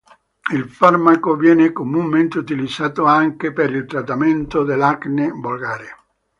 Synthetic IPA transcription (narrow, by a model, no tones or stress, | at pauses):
ilfarmakovjɛːnekomunment̪eut̪ilid̪zaːt̪oaŋkepeɾilt̪ɾat̪ːament̪od̪elaknebolɡaːɾe